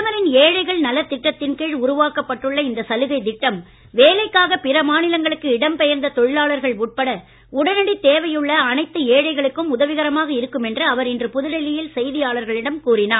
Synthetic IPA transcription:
ɐʋɐɾɪneːɻɐɪɣɐɭnɐlːɐt̪ːɪʈːɐt̪ːɪnkeːɻʊɾʊʋaːkɐpːɐʈːɯɭːɐɪnd̪ɐsɐlɯɣɐɪd̪ɪʈːɐm | ʋeːlɐɪkːaːɣɐpɪɾɐmaːnɪlɐŋɡɐɭɯkːɯɪɽɐmpɛjɐɾnd̪ɐt̪ɔɻɪlaːɭɐɾɣɐɭuʈ̚pɐɽɐ | ʊɽɐnɐɽit̪eːʋɐjɯɭːɐːnɐɪt̪ːɯeːɻɐɪɣɐɭɯkːɯmʊðɐʋɪɣɐɾɐmaːɣɐɪɾɯkːɯmɛndrɯɐʋɐɾɪndrɯpʊðɪɽɐlɪjɪlsɛjðɪjaːɭɐɾɣɐɭɪɽɐmkuːrɪnaː

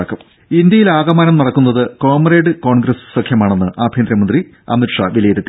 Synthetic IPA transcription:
ɐkːɐm | ind̪jɐjilaːɡɐmaːnɐmnɐɽɐkːunːɐðɨko̞ːmreːɖɨko̞ːɳɡɾɐsɨ̥sɐkʰjɐmaːɳe̞nːɨʔaːbʱjeːnd̪ɾɐmɐnd̪ri | ɐ̰miʈʂaʋileːðɐt̪ːi

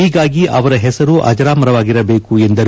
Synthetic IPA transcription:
iːɡaːɡiʔɐʋɐɾɐɦɛsɐɾuʔɐ̰d͡ʒɐɾaːmɐɾɐʋaːɡiɾɐbe̞ːkuend̪ɐɾ

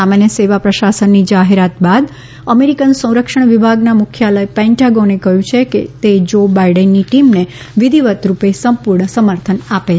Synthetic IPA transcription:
samanjəseʋapɾəʃasənːid͡ʒaɦeɾat̪bad̪ | əmeɾikənsə̃w̃ɾəkʂəɳ̃ʋibʱaɡnamʊkʰjaləjpɛ̃ɳʈaɡonekəɦjũt͡ʃʰekḛt̪ed͡ʒobaiɖənːiʈimne | ʋid̪ʱiʋət̪ɾupesəmpuɾɳəsəməɾt̪ʰənape

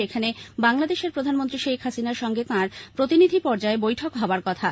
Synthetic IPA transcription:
ekʰanebaŋlad̪eʃeɾpɾod̪ʱanmont̪ɾiʃejkʰɦasinaɾʃɔŋɡet̪ãɾpɾot̪inid̪ʱipɔɾd͡ʑaebojʈʰokɦaboaɾkɔt̪ʰa

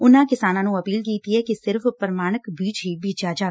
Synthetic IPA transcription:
ʊnãkɪsaːnãnũɐpiːlkiːt̪iɦɛkisɪɾfpəɾmaːɽ̃əkbiːd͡ʒɦibʱiːd͡ʒaːd͡ʒa

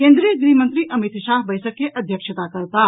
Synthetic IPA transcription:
kẽːnd̪ɾiəɡɾiːmə̃nt̪ɾiʔəmit̪ʃaːɦbɐjsəkːeʔɐd̪ʱjəkʃət̪akəɾt̪a

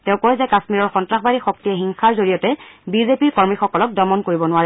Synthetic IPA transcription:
tɛ̃ʊ̃kɔɹɛzakasmiɹɔɹxɔntɹaxbaɹixɔk̚tijɛxiŋxʰaɹzoɹijɔtɛbizepiɹkɔɹmixɔkɔlɔk̚dɔmɔnkoɹibɔnʊaɹɛ

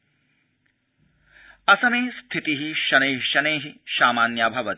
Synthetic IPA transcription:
ɐsɐmeːst̪ʰit̪iɦiʃɐneːɦʃɐneːɦiʃaːmaːnjaːbʱɐʋɐt̪

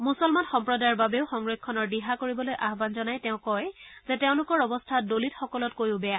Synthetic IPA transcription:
musɔlmanxɔmpɹɔdajɔɹbabeʊxɔŋɹekʰːɔnɔɹdiɦakoɹibɔlojʔaɦbanzɔnajtɛʊ̃kɔjzɛteʊ̃lʊkɔɹɔbɔstʰadolitxɔkɔlɔtkojʊbɛja

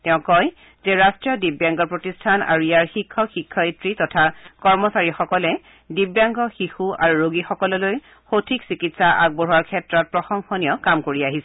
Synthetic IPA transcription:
tɛʊ̃kɔj | zeɹastɹiɔdibjaŋɡɔɹpɹotistʰana̰ɹuijaɹxikʰːɔxikʰːɔitɹitɔtʰakɔɹmɔsaɹixɔkɔlɛ | dibjaŋɡɔxixuaɹuɹoɡixɔkɔlɔloj | xotʰiksikitsaʔaɡ̚boɹɦuaɹkʰɛtɹɔt̚pɹɔxɔŋxɔniɔkamkoɹiaɦisɛ

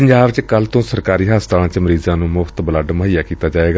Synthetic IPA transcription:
əɲd͡ʒaːbt͡ʃkəlːt̪õːsəɾkaːɾiːɦaːst̪aːãːt͡ʃməɾiːzãːnũːmʊfʰt̪bələɖməɦijaːkiːt̪aːd͡ʒaːeːɡaː

